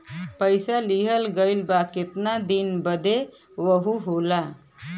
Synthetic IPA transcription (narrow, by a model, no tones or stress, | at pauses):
pəjsaliɦəlɡəjlbaket̪nad̪inbəd̪ʱe | ʋəɦuɦola